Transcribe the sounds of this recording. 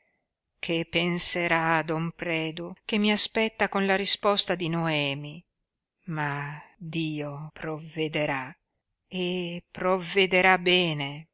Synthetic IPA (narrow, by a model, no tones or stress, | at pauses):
kʰepːenseɾad̪ɔmpɾɛːd̪uk̟emːiaspɛt̪ːakonlaɾispɔst̪ad̪inoɛːmi | mad̪iːopɾovːed̪eɾa | epɾovːed̪eɾabɛːne